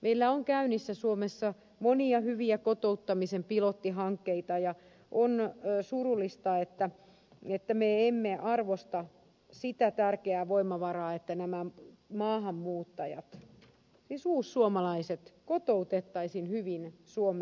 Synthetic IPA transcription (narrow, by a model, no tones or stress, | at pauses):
mʔeilːæoŋkæynisːæsuomesːɑ | moniɑhyʋiækot̪out̪ːɑmisempilot̪ːiɦɑŋkːeit̪ɑjɑ | ʔonːsurulːist̪ɑet̪ːæ | et̪ːæmeemːeʔɑrʋost̪ɑ | sit̪æt̪ærkeæːʋoimːˑɑʋɑrɑːet̪ːænæmæmɑːhɑmːuːt̪ːɑjɑ̰t̪ | sisuːssuomɑlɑiset̪kot̪out̪et̪ːɑisinhyʋinsuome